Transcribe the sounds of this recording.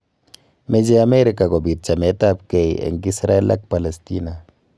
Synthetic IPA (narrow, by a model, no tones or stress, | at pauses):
med͡ʒeameɾikakobit̚t͡ʃametap̚kejḛŋkisɾaela̰k̚palestina